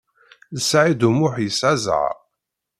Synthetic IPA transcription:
ðəsʕid̪umʊħjəsæza̰

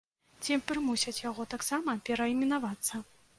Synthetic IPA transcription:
t͡sʲipɾɨmusʲɐt͡sʲjaɣɔt̪aksamɐpʲɛɾɐimʲinavat̪sːɐ

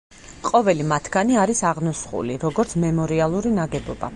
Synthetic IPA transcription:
qʼɔvɛlimat̪ʰɡ̥aniaɾisaʁnusχṵliɾɔɡɔɾt̪sʰmɛmɔɾialˠuɾinaɡɛbɔba̰

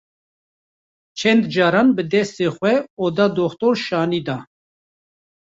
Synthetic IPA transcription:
t͡ʃʰɛnd̪d͡ʒɑːɾɑːnbɨd̪ɛst̪eːxʷɛoːd̪ɑːd̪oxt̪oːɾʃɑːniːd̪ɑː

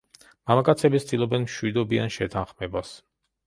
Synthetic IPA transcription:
mamakʼat̪sʰɛbit̪st̪ʼilˠɔbɛnmʃwid̪ɔbia̰nʃɛt̪ʰanχmɛbas

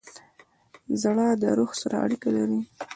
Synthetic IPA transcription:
zaɽɑd̪əɾoxsaɾa̰a̰ɽikalaɾi

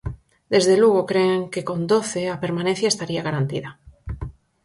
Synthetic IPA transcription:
d̪̥e̞zðe̞lwuɣ̞okɾeeŋkeko̞nd̪o̞θe̞ape̞ɾmãnenθjaest̪aɾiaɣaɾant̪iða

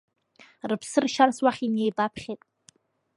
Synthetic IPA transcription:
rɨpʰsɨrʃanswaχʲinejbapʰχʲetʼ

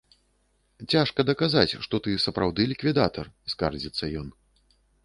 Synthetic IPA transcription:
t͡sʲaʂkɐd̪ɐkazat͡sʲʂt̪ɔt̪ɨsɐpɾawd̪ɨlʲikvʲid̪at̪ɐrskard͡zʲit̪sːɐjɔn

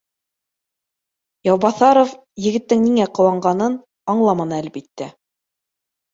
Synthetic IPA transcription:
jɑwbɑθɑɾof | jɘ̆ɡɘ̆t̪ːɘŋniŋæqŏwɑɴɢɑnɤn | ɑɴlˠɑmɑnɤælbit̪ːæ

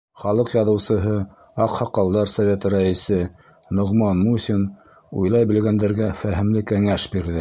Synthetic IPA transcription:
χɑlˠɤqjɑðɤ̆wsɤ̆ɦɤ | ɑqhɑqɑwˠd̪ɑɾsɐvʲet̪ɾæisɘ | nŏʁmɑnmusʲin | ṵjlˠɑjbɘ̆lɡænd̪æɾɡæfæɦɘ̆mlɘkæŋæʃbiɾðɘ

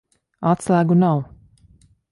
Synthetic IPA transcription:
at̪slˠæːɡunaw

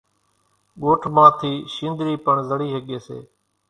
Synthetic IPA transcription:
ɠoːʈʰmãːt̪ʰiːʃĩːnd̪ɾiːpəɳzəɽiːɦəɠeːsḛː

